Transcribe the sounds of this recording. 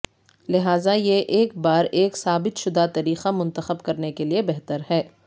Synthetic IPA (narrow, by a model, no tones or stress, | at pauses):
lɪɦaːzajeʔeːkbaːɾeːksaːbɪt̪ʃʊd̪at̪ɐɾiːxamʊ̃nt̪əxəbkɐɾnekeliebɛɦt̪əɾɦɛː